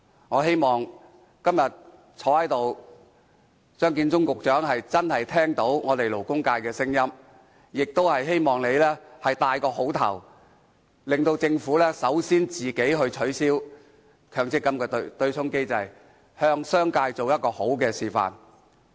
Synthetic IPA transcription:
ŋɔː˨˧ɦe˥jmɔː˨˩ŋ | kɐ˥mjɐ˨t̚ | t͡sʰɔː˨˥hɐ˨˥jt̪o˨w | t͡ʃœː˥ŋk̬iː˧nt͡sʊ˥ŋkʊ˨k̚t͡ʃœː˨˥ŋɦɐ˨jt͡sɐ˥nhɐ˨jt̪ʰɛː˥ŋt̪o˨˥wŋɔː˨˧t̪e˨jlo˨˩wkʊ˥ŋkaː˧jkɛː˧sɪ˥ŋjɐ˥m | jɪ˨k̚t̪o˥whɐ˨jɦe˥jmɔː˨˩ŋle˨˧jlɛː˥hɐ˨jt̪aː˧jkɔː˧ho˨˥wt̪ʰɐ̰˨˩w | lɪ˨ŋt̪o˧wt͡sɪ˧ŋfuː˨˥lɛː˥sɐ˨˥wsiː˥nt͡siː˨ke˨˥jɦɵ˧ɥt͡ʃʰɵ˨˥ɥsiː˥w | kʰœː˨˩ŋt͡sɪ˥kːɐ˨˥mkɛː˧t̪t̪ɵ˧ɥt͡sʰʊ˥ŋke˥jt͡sɐ˨˧j | hœː˧ŋsœː˥ŋkaː˧jt͡so˨wjɐ˥t̚kɔː˧ho˨˥wkɛː˧siː˨˩fa̰ː˨˩n

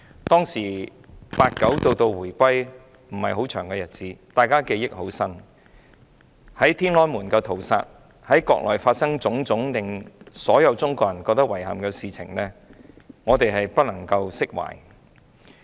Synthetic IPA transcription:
t̪ɔː˥ŋsiː˨˩paː˧t̚kɐ˨˥wt̪o˧wt̪o˧wwuː˨˩jkʷɐ˥j | m̩˨˩hɐ˨jɦo˨˥t͡ʃʰœː˨˩ŋkɛ˧jɐ˨t̚t͡siː˨˥t̪aː˨˩jkaː˥ke˧jɪ˥k̚ho˨˥wsɐ˥n | hɐ˨˥jt̪ʰiː˥nlɔː˥˩muː˨˩nkɐ˧t̪ʰo˨˩wsa̰ː˧t̚ | hɐ˨˥jkɔː˧k̚lʔɔ̰ː˨˩jfaː˧t̚sɐ˥ŋt͡sʊ˨˥ŋt͡sʊ˨˥ŋlɪ˨ŋsɔː˨˥jɐ˨˧wt͡sʊ˥ŋkɔː˧jɐ˨˩nkɔː˧k̚t̪ɐ˥k̚wɐ˨˩jhɐ̰˨mkɛ˧siː˨t͡sʰɪ̰˨˩ŋlɛː˥ | ŋɔː˨˧t̪e˨jɦɐ˨jpɐ˥t̚lɐ˨˩ŋkɐ˧wsɪ˥k̚wa̰ː˨˩j

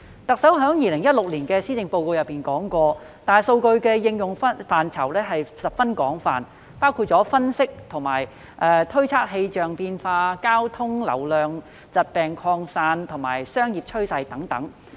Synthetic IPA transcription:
t̪ɐ˨k̚sɐ˨˥wɦœː˨˥ŋjiː˨˧lɪ˨˩ŋjɐ˥t̚lʊ˨k̚liː˨˩nkɛː˧siː˥t͡sɪ˨˧ŋpo˧wko˧wjɐ˨˩pːiː˨nkɔː˨˥ŋkʷɔː˧ | t̪aː˨jso˧wkɵ˧ɥkɛː˧jɪ˧ŋjʊ˨ŋfɐ˥faː˨nt͡sʰɐ̰˨˩wlɛː˥ɦɐ˨jsɐ˨p̚fɐ˥nkɔː˨˥ŋfaː˨˩n | paː˥wkʰuː˧t̚t͡sɔː˨˥fɐ˥nsɪ˥k̚t̪ʰʊ˨˩ŋma̰ː˨˩j | ʔɛː˨t̪ʰɵ˥ɥt͡sʰaː˥k̚ɦe˧jt͡ʃœː˨ŋpiː˧nfaː˧kaː˥wt̪ʰʊ˥ŋlɐ̰˨˩wlœː˨ŋ | t͡sɐ˨t̚pɛː˨ŋkʰɔː˧ŋsaː˧nt̪ʰʊ˨˩ŋma̰ː˨˩jsœː˥ŋjiː˨p̚t͡ʃʰɵ˥ɥsɐ˧jt̪ɐ˨˥ŋt̪ɐ̰˨˥ŋ

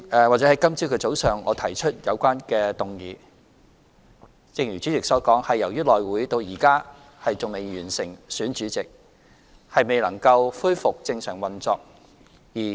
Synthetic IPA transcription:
ʔɛː˨waː˨t̚t͡sɛː˨˧˥hjkɐ˥mt͡si˥wkʰɵ˧t͡so˨˥wsœː˨ŋɔː˨˧t̪ʰɐ˨˩jt͡ʃʰɵ˥t̚jɐ˨˧wkʷaː˥nkɛː˧t̪ʊ˨˩ŋjiː˨˧˥ | t͡sɪ˧ŋjyː˨˩t͡ʃy˨˥t͡sɪ˨k̚sɔː˨˥kɔː˨˥ŋhɐ˨jːɐ˨˩wjyː˥lɔː˨jwuː˨˥jt̪o˧wjiː˨˩kaː˥ | hɐ˨jt͡sʊ˨ŋme˨˧jɥyː˨˩nsɪ˨˩ŋsyː˨˥nt͡ʃyː˨˥t͡sɪ˨k̚ | hɐ˨jme˨˩jlɐ˨˩ŋkɐ˧wfuː˥jfʊ˨k̚t͡sɪ˧ŋsœ̰ː˨˩ŋwɐ˨˩nt͡sɔː˨k̚ | jiː˨˩

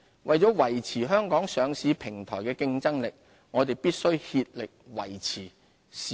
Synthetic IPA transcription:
wʔɐ˨jt͡sɔː˨˥wɐ˨˩jt͡sʰiː˨˩ɦœː˥ŋkɔː˨˥ŋsœː˨˧ŋsiː˨˥pʰɪ˨˩ŋt̪ʰɔː˨˩jkɛː˧kɪ˧ŋt͡sɐ˥ŋlɪ˨k̚ | ŋɔː˨˧t̪e˨jpiː˥t̚sɵ˥ɥhiː˧t̚lɪ˨k̚wɐ̰˨˩jt͡sʰiː˨˩ | s

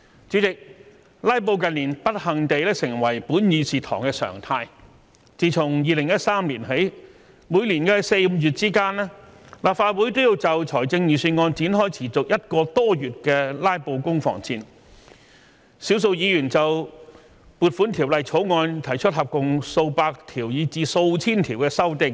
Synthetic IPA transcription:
t͡ʃyː˨˥t͡sɪ˨k̚ | laː˥jp̬o˧wkɐ˨˧nliː˨˩npɐ˥t̚hɐ˨˩ŋt̪e˨jlɛː˥sɪ˨˩ŋwɐ˨˩jpuː˨˥njyː˨˧siː˨t̪ʰɔ̰ː˨˩ŋkɛː˧sœ̰ː˨˩ŋt̪ʰaː˧j | t͡siː˨t͡sʰʊ˨˩ŋjiː˨lɪ˨˩ŋjɐ˥t̚saː˥mliː˨˩nɦe˨˥ | muː˨˧jliː˨˩nkɛ˧se˧jm̩˧jyː˨˩t̚t͡siː˥kaː˥nɛː˥laː˨˩p̚faː˧t̚wuː˨˥jt̪o˥wjiː˧wt͡sɐ˨˩wt͡sʰɔː˨˩jt͡sɪ˧ŋjiː˨˩syː˧nŋɔː˧nt͡siː˨˥nɦɔː˥jt͡sʰiː˨˩t͡sʊ˨k̚jɐ˥t̚kɔː˧t̪ɔː˥jyː˨t̚kɛː˧laː˥jpo˧wkʊ˥ŋfɔ̰ː˨˩ŋt͡siː˧n | siː˨˥ws̬o˧wjiː˨˧jyː˨˩nt͡sɐ˨w | puː˨˧t̚fuː˨˥nt̪ʰiː˨˩wlɐ˨jt͡sʰo˨˥wŋɔː˧nt̪ʰɐ˨˩jt͡ʃʰɵ˥t̚hɦɐ˨p̚kʊ˨ŋso˧wpaː˧k̚t̪ʰiː˨˩wjiː˨˧t͡siː˨˧so˧wt͡sʰiː˥nt̪ʰiː˨˩wkɛː˧sɐ˥wt̪ɪ˨˧ŋ

